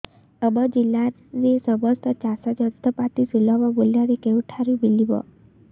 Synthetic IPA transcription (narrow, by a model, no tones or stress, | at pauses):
əbəd͡ʑilːa | d͡ʒesəbəst̪ət͡ɕasad͡ʒəst̪əpat̪isuləʋaboljaɾikewʈʰaɾibiliʋɔ̰